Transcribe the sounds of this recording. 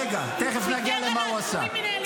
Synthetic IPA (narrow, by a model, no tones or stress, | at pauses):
ɡat̪ɛχɛsnaɡialemauasa̰